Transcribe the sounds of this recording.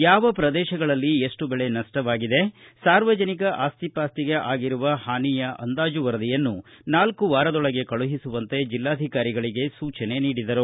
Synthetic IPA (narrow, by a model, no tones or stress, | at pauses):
jaːʋɐpɾɐd̪ɛːʃɐɡɐɭɐlːieʂʈubeɭe̞nɐʂʈɐʋaːɡid̪e̞saːɾʋɐd͡ʒɐnikɐʔaːst̪ipaːst̪iɡe̞ʔaːɡiɾuʋɐhaːnijɐʔɐ̰nd̪aːd͡ʒuʋɐɾɐd̪ijɐnːunaːlkuʋaːɾɐd̪ɔɭɐɡe̞kɐɭuɦisuʋɐnt̪e̞d͡ʒilːaːd̪ʱikaːɾiɡɐɭiɡe̞suːt͡ʃɐne̞niːɽid̪ɐɾu